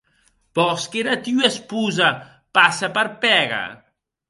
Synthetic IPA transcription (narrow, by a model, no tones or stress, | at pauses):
bɔskeɾat̪iuespuza | pasapəɾpɛɣa̰